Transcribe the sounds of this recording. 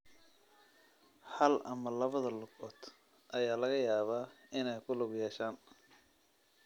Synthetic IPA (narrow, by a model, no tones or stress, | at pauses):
hɐlɐmɐlɐβɐðɐlʊɡɔːd̪ | ʔɐjaːlɐɣɐjaːβaːɪnɛjkʰʊlʊɣjɛːʃaːn